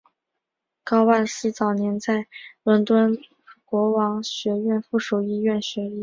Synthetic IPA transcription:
kɑ˥ʊwa˥˩nsɹ̩˥˩t͡sɑ˨˩ʊnjɛ˧˥nt͡sa˥˩ɪlə˧˥nt̪wə˥n | kwɔ˧˥wɑ˧˥ŋɕɥɛ˧˥ɥɛ˥˧nfu˥˩ʂu˨˩ʊi˥˧ɥɛ˥˩nɕɥɛ˧˥i˥˩

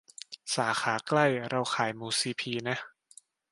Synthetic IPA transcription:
saː˩˦xʰaː˩˦kla˥˩jɾa˧wkʰaː˩˦jmuː˧siː˧pʰiː˧na˦˥

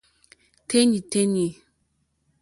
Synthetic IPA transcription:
tʰe˦ɲi˨te˦ɲi˨

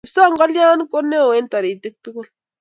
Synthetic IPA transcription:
psa˦˨ŋɡɔ˦lja˦n˦ko˦nːe˦˨we˦n˦ta˨ɾi˨t̪i˦k̚tu˦kɔ˦l

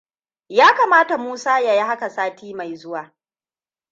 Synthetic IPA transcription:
jaː˦kaː˨maː˦ta˨muː˦saː˦ja˨ji˦ha˦ka˨saː˦tʰiː˦ma˨jzʊ˦waː˨

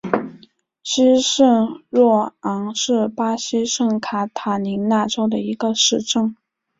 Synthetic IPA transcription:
ɕi˥ʂɤ˥˧ŋɻwɔ˥˩ɑ˧˥ŋʂɻ̩˥˩pa˥ɕi˥ʂɤ˥˩ŋkʰa˧˥t̪ʰa˧˥ni˧˥na˥˩ʈ͡ʂo˥ʊd̪ə˨i˧˥ɡə˧ʂɻ̩˥˧ʈ͡ʂɤ˥˩ŋ

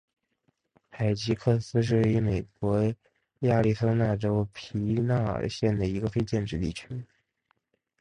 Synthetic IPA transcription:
xa˨˩ɪt͡ɕi˧˥kʰɤ˥˩sɹ̩˥ʂ̬ɻ̩˥˩we˥˩y˧˥me˨˩ɪkwɔ˧˥ | ja˥˧li˥˧sʰɤ˥˧na˥˩ʈ͡ʂo˥ʊpʰi˧˥na̰˥˩ɕjɛ˥˩nd̪ə˩i˧˥ɡə˧fe˥ɪt͡ɕjɛ˥˧nʈ͡ʂɻ̩˧t̪ḭ˥˩t͡ɕʰy˥

